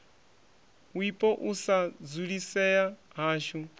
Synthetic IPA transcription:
wipʼɔʔusad͡zuɺisɛjaɦaːʃu

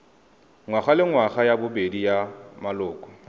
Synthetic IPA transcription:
ŋwaχalɪŋwaχajabʊbedijamalʊːkʼɔ̥

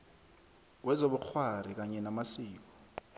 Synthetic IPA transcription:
wɛzoɓuk͡xʰwarik̬aɲɛnamasiːk̬ɔ̥

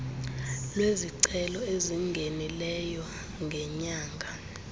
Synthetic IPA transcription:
lweziǀɛlɔeziŋɡʱenilɛjɔ | ŋɡʱɛɲaːŋɡʱa

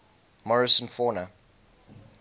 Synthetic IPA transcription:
mɔɹɪsə̃nfɔːnə

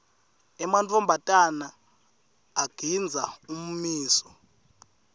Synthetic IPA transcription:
ɛmant͡fʰʼɔmbʱatʼanaː | ɡ̥ʱind͡zʱaum̩miːsɔ̥

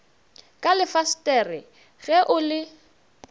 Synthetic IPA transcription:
kʼalɪfastʼɛrɪ | ɣɛʔʊlɪ

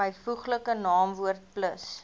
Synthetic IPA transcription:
əjfuχləkənɑːmvuərt̚pləs

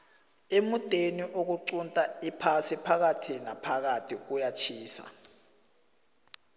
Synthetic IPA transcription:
emutʼeniʔok̬uǀuntʼaipʰasipʰak̬atʰinapʰak̬atʰik̬ujat͡ʃʰiːsa̰

